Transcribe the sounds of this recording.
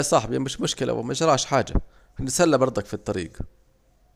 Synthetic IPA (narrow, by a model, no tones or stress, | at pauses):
sˤɑħbijmɪʃmʊʃkɪla̰wʔɪ̰maʒɾˤɑʕʃħaːd͡ʒa̰ | ʔɪnːsalːabɑɾˤd̪ˤɑkfit̪ˤːɑɾḭːɡ